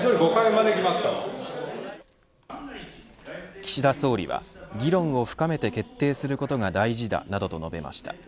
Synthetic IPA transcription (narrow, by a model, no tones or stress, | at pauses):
zoɾʲiɡo̞kaemad̪ekʲimasɨ̥k̪a | kʲi̥ɕid̪aso̞ːɾʲḭβa̰ɡʲiɾõ̞ɰ̃o̞ɸɯ̟̥kame̞t̪e̞ke̞t̪ːe̞ːsɨɾɯ̟ko̞t̪o̞ŋad̪aiʑid̪a̰nad̪o̞t̪o̞no̞be̞̰mʔa̰ɕi̥t̪a̰